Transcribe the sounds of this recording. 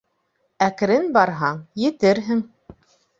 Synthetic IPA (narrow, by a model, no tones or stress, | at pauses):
æk̆ɾɘnbɑɾɦɑɴjɘ̆t̪ɘɾɦɘŋ